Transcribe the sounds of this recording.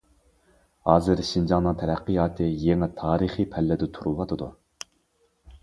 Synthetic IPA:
hɑːzɨɾʃind͡ʒɑŋnɨŋt̪ʰɛɾæqːijɑːt̪ʰɨjeŋɛt̪ʰɑːɾiχipʰɛlːɪd̪ɛt̪ʰuɾuwɑt̪ʰɨd̪u

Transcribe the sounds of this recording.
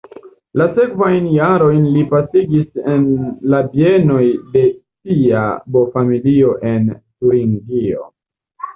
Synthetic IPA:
lase̞kvajnjaɾo̞jnlipasiɡise̞nlabie̞no̞jde̞sia̰bo̞familio̞ʔe̞ntuɾiŋɡio̞̰

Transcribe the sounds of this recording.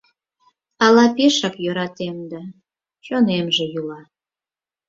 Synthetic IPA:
ɑlɑpeʃɑkjøɾɑt̪emd̪ɑ | t͡ɕonemʒejylɑ

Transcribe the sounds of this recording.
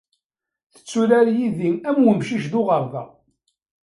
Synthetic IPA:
θə̥t͡sːulæɾjiðiæmwəmʃiʃðʊʁəɾˤvæ

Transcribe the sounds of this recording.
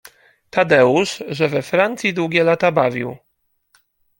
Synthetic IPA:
t̪ad̪ɛuʂʐɛvɛfɾant̪sʲjid̪wuɡʲɛlat̪abavʲḭw

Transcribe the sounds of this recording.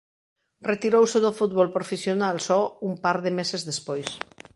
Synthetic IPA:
ret̪iɾowseðofut̪̚βɔlpɾofesjonalsɔumpaɾðemesezðespojs

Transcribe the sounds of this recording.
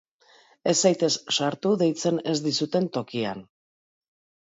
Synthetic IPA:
e̞sajt̪e̞sʃaɾt̪uðe̞jt͡se̞ne̞zd̪isut̪e̞nt̪o̞kia̰n

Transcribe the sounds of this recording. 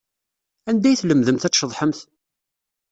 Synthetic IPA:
ænd̪æjθləmðəmθæt͡sːʃəðˤħəmθ

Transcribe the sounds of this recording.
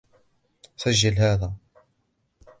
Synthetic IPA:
saʒːalhaːðæ

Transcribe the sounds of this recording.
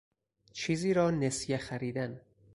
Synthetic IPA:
t͡ʃʰiːziːɾɒːnesjexæɾiːd̪æn

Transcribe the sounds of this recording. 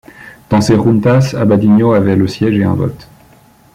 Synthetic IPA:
d̪̥ɑ̃seʁunt̪asa̰bad̪iɲoavɛləsjɛʒeɛ̰̃vɔ̰t̪

